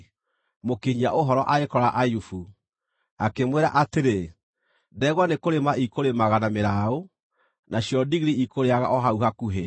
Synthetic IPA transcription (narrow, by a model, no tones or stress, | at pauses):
mokeɲiaʔoɦɔɾɔʔaekɔɾaʔajufu | akemweɾa̰ʔateɾe | dɛɣwanekoɾemaikoɾemaɣanameɾao | naɕjɔdiɣɾiikoɾeaɣa̰ʔɔɦauɦakuɦe